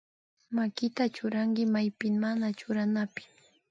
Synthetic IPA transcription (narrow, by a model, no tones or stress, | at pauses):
makɪt̪at͡ʃʊɾaŋkɪmajpɪŋmanat͡ʃʊɾanapɪ̥